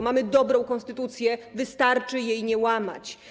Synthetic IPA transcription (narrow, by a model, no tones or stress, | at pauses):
mamɘd̪ɔbɾɔ̃w̃kɔ̃ñst̪ɘt̪ut̪sʲjɛvɘst̪aɾt͡ʂɘjejɲɛwama̰t͡ɕ